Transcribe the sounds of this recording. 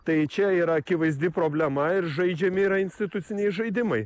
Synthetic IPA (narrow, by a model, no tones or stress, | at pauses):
t̪ɐɪt͡ʃʲɛiːɾɐɐkʲɪʋɐɪzʲd̪ʲɪpɾoːbʲlʲɛmɐɪɾʒɐɪd͡ʒʲɛmʲɪiːɾɐɪnʲsʲt̪ʲɪt̪ʊt̪sʲɪnʲɛɪʒɐɪd̪ʲɪmɐɪ